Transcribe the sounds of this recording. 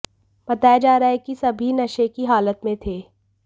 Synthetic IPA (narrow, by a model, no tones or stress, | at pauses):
b̥ɐt̪aːjad͡ʒaːɾaɛkisɐbʱinɐʃekiɦaːlət̪mẽt̪ʰeː